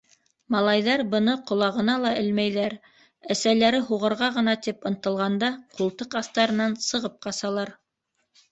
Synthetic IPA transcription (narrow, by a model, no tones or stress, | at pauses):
mɑlˠɑjðɑɾbɤ̆nɤqŏlˠɑʁɤ̆nɑlˠɑʔɘlmæjðæɾ | æsælæɾɘɦuʁɤ̆ɾʁɑʁɤ̆nɑt̪ipɤ̆nt̪ɤ̆lˠʁɑnd̪ɑqulˠt̪ɤqɑθt̪ɑɾɤ̆nɑnsɤ̆ʁɤp̚qɑsɑlˠɑɾ